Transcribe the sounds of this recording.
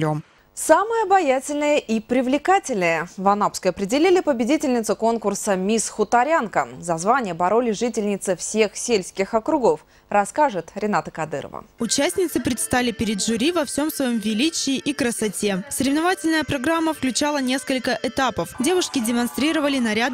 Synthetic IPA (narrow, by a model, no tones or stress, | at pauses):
om | saməjəɐbɐjatʲɪlʲnɨjəʔipɾʲɪvlʲɪkatʲɪlʲnɨjəvɐnapskəjɐpɾʲɪdʲɪlʲilʲɪpəbʲɪdʲitʲɪlʲnʲɪt̪sʊko̞nkʊrsəmʲisxʊt̪ɐɾʲankəzɐzvanʲɪjəbɐɾo̞lʲɪʐɨtʲɪlʲnʲɪt̪sɨfsʲe̞xsʲelʲsʲkʲɪxɐkɾʊɡo̞f | rɐskaʐɨt̪ɾʲɪnat̪əkɐd̪ɨ̰ɾə̰və̰ʊt͡ɕæsʲnʲɪt̪sɨpɾʲɪt̪st̪alʲɪpʲɪɾʲɪd̪ʐʊɾʲivɐfsʲo̞msvɐjo̞mvʲɪlʲit͡ɕɪːʔikɾəsɐtʲe̞səɾʲɪvnɐvatʲɪlʲnəjəpɾɐɡɾamːəfklʲʉt͡ɕalˠənʲe̞skəlʲkəʔɛt̪apəfdʲe̞vʊʂkʲɪdʲɪmɐnst̪ɾʲiɾəvəlʲɪnɐɾʲad̪